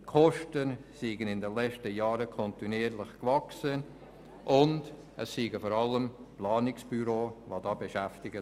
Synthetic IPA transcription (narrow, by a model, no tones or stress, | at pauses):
kʰɔʃtənsiːɡənɪndənlɛt͡ʃtəjaːɾəkʰɔntiniːɾlɪχkvaksən | ʔʊnd | ʔəsːiːɡəfɔɾɑləmplɑːnɪksb̥yɾoːvodɑːbeʃæftɪɡə